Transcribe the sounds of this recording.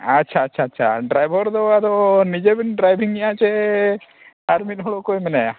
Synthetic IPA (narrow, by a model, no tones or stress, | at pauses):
atːt͡ʃʰaːtːʃʰaːtːt͡ʃʰa̰ɖɾajbʱɔɾd̪ɔad̪ɔnid͡ʒebinɖɾajbʱiŋijat͡ʃɛ | aɾmit̪̚ɦɔɭokojmɛnaja